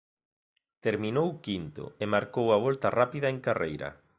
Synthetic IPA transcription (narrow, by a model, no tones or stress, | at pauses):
t̪eɾminowkint̪ʊ̰emaɾkowɐβ̞ɔlt̪ɐrapiðɐeŋkarejɾɐ̰